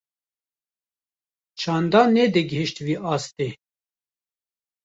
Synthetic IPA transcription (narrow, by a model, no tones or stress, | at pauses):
t͡ʃʰɑːnd̪ɑːnɛd̪ɨɡəɦiʃt̪viːʔɑːst̪e